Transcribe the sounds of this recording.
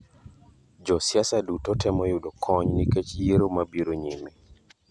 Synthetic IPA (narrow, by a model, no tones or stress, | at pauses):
d͡ʒɔsjasadutotɛmɔjudokʰɔɲniket͡ʃjeɾomabiɾoɲimi